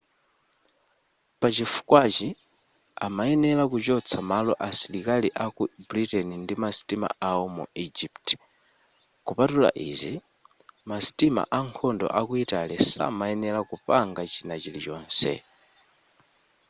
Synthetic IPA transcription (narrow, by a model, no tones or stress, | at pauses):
pat͡ʃifu̥kwat͡ʃi | amaɛnɛlakut͡ʃɔt͡sʰamalɔʔasilikaliʔakubuɾitɛnindimasi̥tima̰ʔawɔmṵid͡ʒipt | kupatula̰ʔizi | masi̥tima̰ʔaŋkʰɔndɔ̰ʔakuitalɛsa̰maɛnɛlakupaŋɡat͡ʃinat͡ʃilit͡ʃɔːnsɛ̰